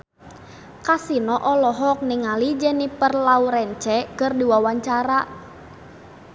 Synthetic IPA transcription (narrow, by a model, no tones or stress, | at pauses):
kasinɔʔɔlɔɦɔk̚nɪŋalid͡ʒɛnipərlauɾɛnt͡ʃɛkərdiwawaɲt͡ʃaɾa